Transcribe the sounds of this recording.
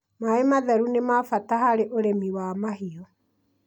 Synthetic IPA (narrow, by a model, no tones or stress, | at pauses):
maemaðɛɾunemafatahaɾeʔoɾemiwamaɦiɔ